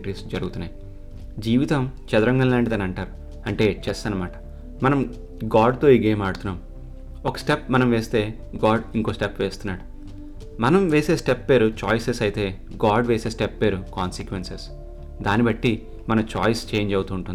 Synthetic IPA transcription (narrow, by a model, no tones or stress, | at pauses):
ʈɾisd͡ʒɐɾuɡut̪unːaːj | d͡ʒiːʋit̪ɐmt͡ʃɛd̪ɐɾɐŋɡɐnlaːɳʈit̪ɐnɐɳʈaːɾu | ɐɳʈe̞ːt͡ʃeːst̪anɐmaːʈɐ̥ | mɐnɐm | ɡaːɖt̪o̞ːiɡe̞ːmaːɽut̪unːaːm | ɔkɐ̥sʈepmɐnɐmʋeːst̪e̞ː | ɡaːɖiŋko̞ːsʈepʋeːst̪unːaːɽu | mɐnɐmʋeːse̞ːsʈepːe̞ːɾut͡ʃaːjsesɐjt̪e̞ː | ɡaːɖʋeːse̞ːsʈepːe̞ːɾukaːnsikʋenses | d̪aːnibɐʈːi | mɐnɐt͡ʃaːjst͡ʃe̞ːɲd͡ʒɐwut̪uːɳʈund̪i